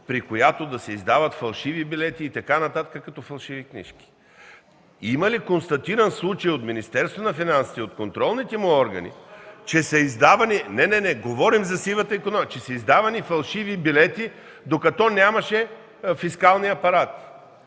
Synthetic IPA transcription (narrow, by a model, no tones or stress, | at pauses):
pɾikojat̪od̪ɐsɛizd̪avɐt̪fɐlˠʃivibilɛt̪iːt̪ɐkanɐt̪at̪kəkɐt̪ɔfɐlˠʃiviknḭʃki̥ | imɐlikonst̪ɐt̪iɾɐnslˠut͡ʃɐjot̪minist̪ɛɾst̪vɐnɐfinansi̥t̪ɛot̪̚kont̪ɾɔlˠnit̪ɛmʊɔɾɡɐ̰nḭt͡ʃɛsɐizd̪avɐninɛnɛnɛɡovɔɾimzɐsivət̪əikonɔt͡ʃɛsɐizd̪avɐnifɐlˠʃivibilɛt̪i | d̪okɐt̪ɔnʲamɐʃɛ | fiskalˠniɐpɐɾat̪